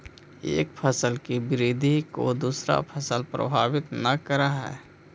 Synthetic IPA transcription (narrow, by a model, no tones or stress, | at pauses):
ḛːk̚pʰəsəlkibɪɾid̪ʱikod̪uːsɾa̰pʰəsəlpɾə̰bʱaːbɪt̪nəkəɾaɦɛ̰ː